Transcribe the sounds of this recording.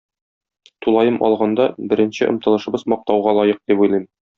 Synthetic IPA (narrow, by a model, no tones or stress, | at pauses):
t̪ulˠɑjɤmʔɒ̰lˠʁɑnd̪ɑbɘ̆ɾɘ̆nɕɘ̰ʔŏ̰mt̪ɤ̆lˠɤ̆ʃɤ̆bɤzmɒq̚t̪ɑwʁɑlˠɒjɤq̚d̪ipujlˠɤjm